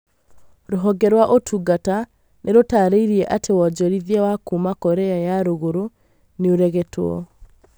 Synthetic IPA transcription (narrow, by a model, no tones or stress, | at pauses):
ɾoɦɔɡɛɾwaʔotʰuɡata | nʔeɾotaːɾeiɾiɛʔatewɔd͡ʒɔɾiðiɛwakumakɔɾɛajaɾoɣoɾo | neoɾɛɣɛtʰwɔ̰